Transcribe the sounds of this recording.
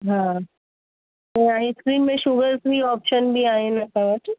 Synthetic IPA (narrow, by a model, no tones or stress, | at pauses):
ɦã | t̪oaɦĩskɾiːnmẽʃuɡəɾsbiɔːpʃənbʱiaːɦenɐkəʋəʈ